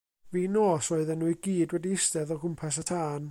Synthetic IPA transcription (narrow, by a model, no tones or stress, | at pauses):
viːnɔːsoɨðənːuːɨɡiːdwɛdiɪstɛðɔɡʊmpʰɛs̬atʰaːn